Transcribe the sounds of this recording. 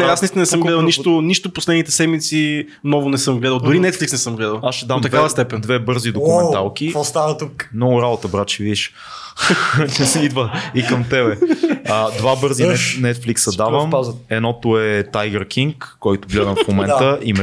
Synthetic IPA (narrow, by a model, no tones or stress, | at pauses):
nɛasnist̪nnɛsɤmɡɡlɛd̪əlˠniʃt̪ʊniʃt̪ʊposlɛd̪nit̪ɛsɛd̪mit̪si | nɔvʊnɛsɤmɡlɛd̪əlˠd̪ʊɾinɛt̪fliksnɛsɤmɡlɛd̪əlˠasʃɛd̪aomt̪ɐk̪avəst̪ɛpɛnd̪vɛbɤɾzid̪okʊmɛnt̪alˠkiɔst̪anət̪uknoɾalɐt̪əbɾat͡ʃivid̪iʃ | t͡ʃɛsɛid̪vəikəmt̪ɛβɛəd̪vabɤɾziɛnɛt̪fliksɐd̪avəmzɛd̪nɔt̪ʊɛt̪ajɡəɾkʰiŋkːɔjt̪ʊɡlɛd̪əmffmomɛnəʔim